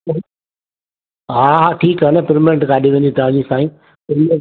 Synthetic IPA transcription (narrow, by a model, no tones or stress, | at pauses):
ɦaɦaʈʰiːkɦənəpɪɾmɪẽɳʈkaːɗiʋẽːnd̪it̪ɐʋãːd͡ʑisaːĩː | pɪɾm